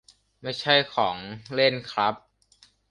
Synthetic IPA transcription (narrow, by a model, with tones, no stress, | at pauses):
ma˥˩jt͡ɕʰa˥˩jkʰɔː˩˦ŋle˥˩nkʰɾa˦˥p̚